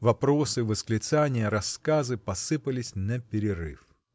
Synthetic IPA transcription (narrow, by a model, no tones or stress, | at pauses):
vɐpɾosɨvəsklʲɪt̪sanʲɪjəɾɐskazɨpɐsɨpəlʲɪsʲnɐpʲɪɾʲɪɾɨ̰f